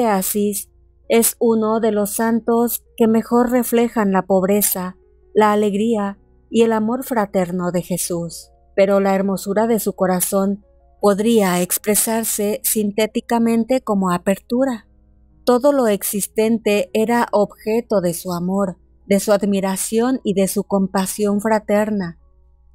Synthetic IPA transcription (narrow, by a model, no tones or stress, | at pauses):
easis | e̞suno̞ðe̞lo̞sːant̪o̞ske̞me̞xo̞ɾre̞fle̞xanlapo̞βɾe̞sa | laːle̞ɣɾia | ie̞lamo̞ɾfɾat̪e̞ɾno̞ðe̞xe̞sus | pe̞ɾo̞lae̞ɾmo̞suɾaðe̞suko̞ɾaso̞n | po̞ðɾiaekspɾe̞saɾse̞sint̪et̪ikamẽ̞nt̪e̞ko̞mo̞ape̞ɾt̪uɾa | t̪o̞ðo̞lo̞e̞ksist̪e̞nt̪e̞ʔeɾaʔobxe̞t̪o̞ðe̞suamo̞ɾ | ðe̞suaðmiɾasjo̞niðe̞suko̞mpasjo̞ɱfɾat̪e̞ɾna